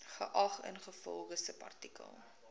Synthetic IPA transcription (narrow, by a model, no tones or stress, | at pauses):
χə̰ʔɐχə̰nχəfɔlˠχəsəpɐ̰rtikə̰lˠ